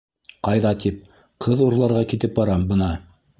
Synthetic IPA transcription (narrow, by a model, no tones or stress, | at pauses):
qɑjðɑt̪ip̚ | qʰɤðuɾlˠɑɾʁɑkit̪ɘp̚bɑɾɑmbɤ̆nɑ